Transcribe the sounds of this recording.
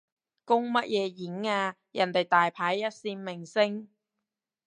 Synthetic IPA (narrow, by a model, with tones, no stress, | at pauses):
kʊ˥ŋmɐ˥t̚jʔɛː˨˧jiː˨˥ŋaː˧ | jɐ˨˩nt̪e˨˩jt̪aː˨jpʰaː˨˥jːɐ˥t̚siː˧nmɪ˨˩ŋsɪ˥ŋ